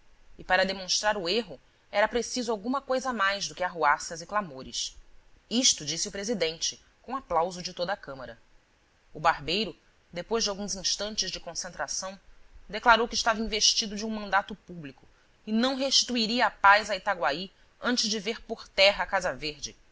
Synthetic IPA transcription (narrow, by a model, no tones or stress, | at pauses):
ɪpaɾɐd̪emõʃt̪ɾaɾʊeɦʊ | ɛɾɐpɾesizʊawɡũmɐkojzɐmajzd̪ʊkɪaɦuasɐzɪklamoɾɪs | iʃt̪ʊd͡ʒisiʊpɾezid̪ẽnt͡ʃɪ | kõaplawzʊd͡ʒɪt̪od̪ɐakɐ̃mɐɾɐ | ʊbaɾbejɾʊ | d̪epojʒd͡ʒɪawɡũzĩʃt̪ɐ̃nt͡ʃɪzd͡ʒɪkõsẽnt̪ɾasɐ̃w̃d̪eklaɾowkɪʃt̪avɐĩveʃt͡ʃid̪ʊd͡ʒɪũmɐ̃nd̪at̪ʊpublikʊ | ɪnɐ̃w̃ɦeʃt͡ʃi̥t̪uiɾiɐːpajzait̪aɡwai | ɐ̃nt͡ʃɪʒd͡ʒɪveɾpoχt̪ɛɦɐːkazɐveɾd͡ʒɪ